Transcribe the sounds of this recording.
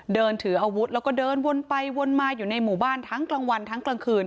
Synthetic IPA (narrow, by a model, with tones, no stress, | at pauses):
dɤː˧nt̪ʰɯ˩˦ʔaː˧wu˦˥t̪̚lɛː˦˧˥wkɔː˥˩dɤː˧nwo˧npa˧jwo˧nmaː˧juː˨˩na˧jmuː˨˩baː˥˩nt̪ʰa˦˥ŋklaː˧ŋwa˧nt̪ʰa˦˥ŋkla˧ŋkʰɯː˧n